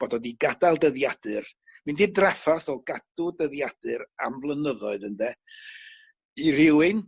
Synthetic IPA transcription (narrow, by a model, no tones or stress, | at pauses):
b̥ɔdɔdiɡadalˠdəðjad̥ɨr | mɨndiːdrɛfaθɔɡad̥ʊdəðjad̥ɨɾa̰mvlˠənəðɔɨðəndɛ | iɾɪwɨn